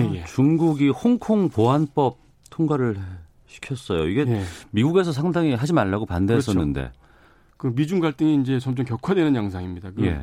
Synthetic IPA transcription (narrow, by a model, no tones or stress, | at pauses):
ejet͡ɕuŋɡuɡihoŋkʰoŋpoɦanp͈ʌp̚ | tʰoŋɡwaɾɯɭe | ɕʰi̥kʰjʌs͈ʌjoiɡe̞emiɡuɡe̞sʰʌs̬ʰaŋdaŋiɦad͡ʑimaɭːaɡopande̞ɦːs͈ʌnːɯnde̞̰ | kɯmid͡ʑuŋɡaɭt͈ɯŋiːnd͡ʑe̞t͡ɕʌmt͡ɕʌmkjʌkʰwadwenɯnjaŋsʰaŋimɲidakɯjḛ